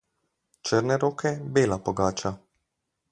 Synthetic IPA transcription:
t͡ʃəɾnɛɾoːkʰɛbeːlapɔɡaːt͡ʃa

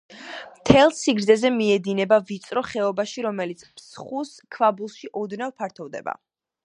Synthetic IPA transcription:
mt̪ʰɛlˠsiɡɾd̪zɛzɛmiɛd̪inɛbavit̪sʼɾɔχɛɔbaʃiɾɔmɛlit̪sʰpʰsχus | kʰvabulˠʃiʔɔd̪navpʰaɾt̪ʰɔvd̪ɛ̰ba̰

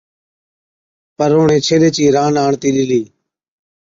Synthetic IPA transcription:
pəɾoːɳẽːt͡ʃʰeːleːt͡ʃiːɾaːnaːɳt̪iːlɪliː

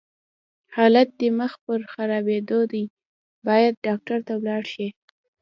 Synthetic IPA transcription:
hɑlat̪̚d̪əməxpəɾxaɾɑbed̪od̪aj | bɑjad̪̚ɖɑk̚ʈaɾt̪awlɑɽʃi

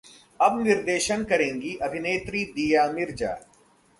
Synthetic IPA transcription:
ɐbnɪɾd̪eːʃənkɐɾẽːŋɡiʔɐbʱɪneːt̪ɾid̪ijaːmɪɾd͡ʒa̰ː

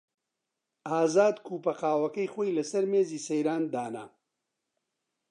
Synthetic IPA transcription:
aːzaːd̪kʰuːpɐqaːwɐkɐjxoːjlɐsɐɾmeːziːsɐjɾaːnd̪aːna̰

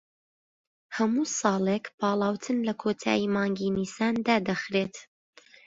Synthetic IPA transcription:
hɐmuːsɑːlˠekpʰɑːlˠɑːwt̪ʰɨnlɐkʰoːt̪ʰa̰ːjimɑːŋɡiːniːsaːnd̪aːd̪ɐxɾeːt̪

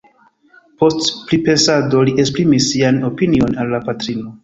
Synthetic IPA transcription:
po̞stpɾipe̞sado̞liespɾimisːiano̞pinio̞nalːapatɾino

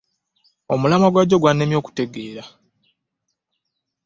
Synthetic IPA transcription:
o̞mulamaɡwaɟːo̞ɡwanːemjo̞ːku̥te̞ɡe̞ːɾa

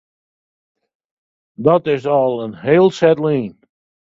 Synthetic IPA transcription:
dɔtɪsɔlˠənɦeːlˠsɛtliːn

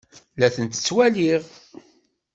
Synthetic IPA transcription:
læθənt̪ə̥t͡sːwæliʁ

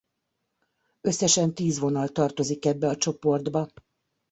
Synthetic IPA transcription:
ø̞sːɛʃɛnt̪iːzʋo̞nɒlt̪ɒrt̪o̞zikɛbːɛɒt͡ʃo̞po̞rd̪bɒ

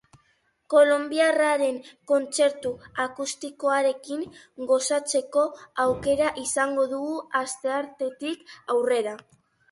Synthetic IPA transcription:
ko̞lo̞mbiaraɾe̞ŋko̞nt͡se̞ɾt̪uakust̪iko̞aɾe̞kiŋ | ɡo̞sat͡se̞ko̞awke̞ɾaʔisaŋɡo̞ðuɣuast̪e̞aɾt̪e̞t̪ikawre̞ɾa

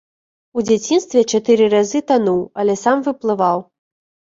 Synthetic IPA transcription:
ud͡zʲat͡sʲinst̪vʲɛt͡ʂat̪ɨɾɨɾazɨt̪anuwɐlʲɛsamvɨplˠɨvaw

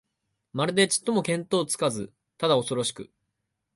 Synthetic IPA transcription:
maɾɯ̟d̪e̞t͡ɕi̥t̪ːo̞mo̞kẽ̞nt̪o̞ːt͡sɨ̥kazɨ̰ | t̪ad̪ao̞so̞ɾo̞ɕi̥kɯ̟̰

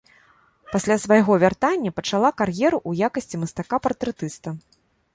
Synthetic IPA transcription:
pasʲlʲasvajɣɔvʲart̪anʲːɐpɐt͡ʂalˠakarjɛɾuʔujakɐsʲt͡sʲimɐst̪akapɐɾt̪ɾɛt̪ɨst̪ɐ

